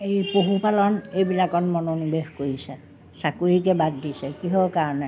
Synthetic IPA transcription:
eipuhupɑloneiʋilækonmonuniʋehkuisæ | sɑkuikebæd̪ːisekihoˑkɑnæ

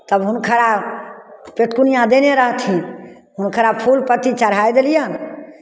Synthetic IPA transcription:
t̪əbɦunkʰəɾa | peʈ̪kunijãd̪eneɾəɦt̪ʰĩ | ɦunkʰəɾapʰulpət̪it͡ʃəɾɦajd̪elijən

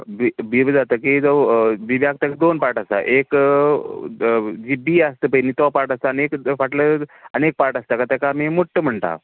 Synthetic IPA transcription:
bibibd͡zat̪əkid͡zɔbibjak̚t̪akad̪onpaɾʈəst̪a̰ʔek | d͡ʑiːbiːast̪əpəinit̪ɔpaɾʈəst̪anekfaʈləənek̚paɾʈəst̪akat̪akaːmimoʈːəm̤əɳt̪a̰

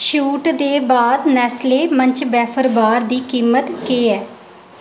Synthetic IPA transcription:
ʃuːʈd̪eːbaːd̪nɛːsleːməɲt͡ʃbɛːpʰəɾbaːɾd̪iːkiːmət̪keːɛː

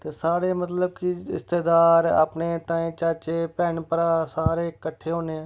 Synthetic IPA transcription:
t̪eːsaːɽeːmət̪ləb̚kɪɪ̰st̪eːd̪aːɾa̰pneːt̪ãːẽːt͡ʃaːt͡ʃeːpɛːɳpəɾaːsaːɾeːkəʈʰeːɦoːneːɛ̃ː

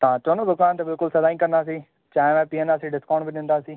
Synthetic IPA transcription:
t̪ɐãt͡ʃoːnod̪ʊkaːnt̪ebɪlkʊlsɐzaːĩkɐɾnd̪aːsiː | t͡ʃãːʋɛ̃ːpiːə̃nd̪aːsiːɖɪskãːɳɖbɪɗɪ̃nd̪aːsiː

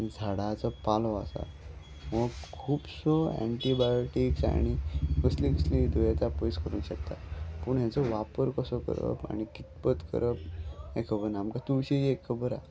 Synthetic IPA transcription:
d͡zʱaɽat͡sɔpalɔasa̰ | məɡkʰuːpsɔɛ̰ɳʈibajoʈiksa̰ɽ̃ikəslikəslid̪ojat̪apəjskəɾũːnɕəkt̪a̰pəɳɦjat͡sɔʋapəɾkəsɔkə̰ɾə̰pa̰ɽ̃ikit̪pət̪kə̰ɾʔəp̚ekʰəbənamkat̪uɭɕid͡ʑiekʰəbəɾa̰

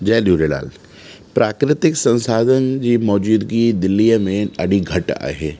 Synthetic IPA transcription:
d͡ʒɐːluːɾela̰ːl | pɾʔaːkɾɪt̪ɪksə̃nsaːd̪ʱənd͡ʒimɔːd͡ʒuːd̪ɡid̪ɪlːijəmẽɐɽiɡʱɐʈa̰ːɦeː

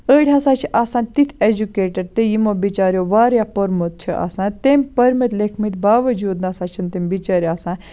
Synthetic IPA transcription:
əɽʲasãːt͡ʃʰiʔaːsaːnt̪it̪ʰed͡ʒukeːʈəɾt̪ejimobit͡ʃaːɾjoːʋaːɾjapɐɾmot̪̚t͡ʃʰiʔa̰ːsãːnt̪emʲpɐɾmɐt̪lekʰmit̪baːʋɐd͡ʒuːd̪naːsaːt͡ʃʰɐnt̪emʲbit͡ʃaːɾʲjaːsãː

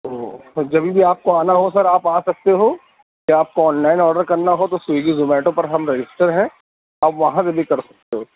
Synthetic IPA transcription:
od͡ʒɐbʱibʱiaːp̚koaːnaɦosɐɾaːpaːsɐk̚t̪eɦoː | kiaːp̚koɔːnlaːɪnɔːɖəɾkɐɾnaɦot̪oseːɡizʊmɛːʈõpɐɾɦɐmɾed͡ʒɪsʈəɾɦɛ̃ | aːpʋɐɦãsebʱikɐɾsɐ̥k̚t̪eɦoː

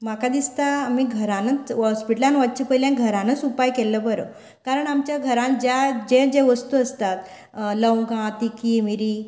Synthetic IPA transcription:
makad̪ist̪aːmiːɡʱəɾãnət͡sɦɔspiʈəlãnʋatt͡ɕipəjlẽɡʱəɾãnət͡supajkɛləbəɾə̰ | kaɾəɳamt͡ɕjaɡʱəɾãnd͡ʑjad͡ʑẽd͡ʑẽʋəst̪uəst̪at̪ | ləwɡãt̪ikiːmiɾiː

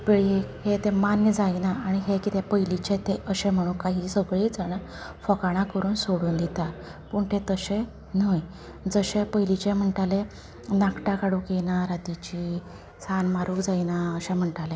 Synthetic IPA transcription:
peɭihet̪ẽmanjəd͡zajnaaɽ̃iɦekit̪epəjlit͡ɕet̪eʔəɕɛ̃m̤əɽ̃uːkaɦiːsəɡɭet͡sana | fɔkaɽ̃akəɾuːnsoɽuːnd̪it̪apəːɳt̪et̪əɕẽ | nəj | d͡zəɕepəjlit͡ɕẽm̤əɳʈale | nakʈakaɽukenaɾat̪it͡ɕi | sanmaɾuːkd͡zajnaəɕɛ̃m̤əɳʈale

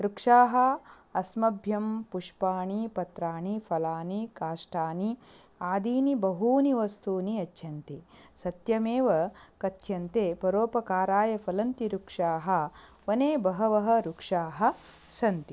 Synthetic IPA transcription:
ɾukʂaːɦɐ | ɐsmɐbʱjɐmpuʂpaːɳipɐt̪ɾaːɳipʰɐlaːnikaːʂʈaːni | aːd̪iːnibɐɦuːniʋɐst̪ʰuːniɐtʰːjɐnt̪isɐt̪jɐmeːʋɐkɐt̪jɐnt̪eːpɐɾoːpɐkaːɾaːjɐpʰɐlɐnt̪iɾukʂaːɦɐ | ʋɐneːbɐɦɐʋɐɦɐ̆ɾukʂaːɦɐ̆ | sɐnt̪i

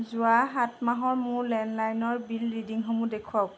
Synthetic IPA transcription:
zʊaɦatmaɦɔɹmʊɹlɛnlajnɔɹbilɹidiŋɦomudekʰɔk

